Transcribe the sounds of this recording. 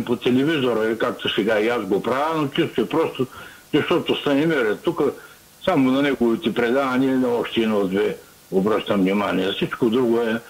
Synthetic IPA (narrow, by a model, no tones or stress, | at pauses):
pot̪ɛlɛvizoɾɐkak̚t̪osɛɡaiasɡopɾavənot͡ʃist̪oɛpɾɔst̪o | zɐʃt̪ɔt̪ost̪ɐnɛmɛɾɛt̪ukə | samonɐnɛɡovit̪ɛpɾɛd̪anʲiɛnɐɔʃt̪ɛɛnɔd̪vɛ | obɾəʃt̪ɐmvnʲimaniɛfsit͡ʃkod̪ɾuɡoɛ